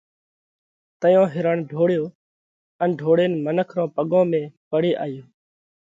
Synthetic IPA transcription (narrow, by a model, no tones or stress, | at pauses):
t̪əjãːɦɪɾəɳɖʱoːɽjoː | ənɖʱoːɽeːnmənəkʰɾõːpəɠõːmẽːpəɽeːʔa̰ːjoː